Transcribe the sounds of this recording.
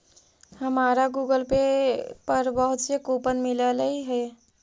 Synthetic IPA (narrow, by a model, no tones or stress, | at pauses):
həmaɾaɡuɡəlpepəɾbəɦut̪sekopənmilələiɦə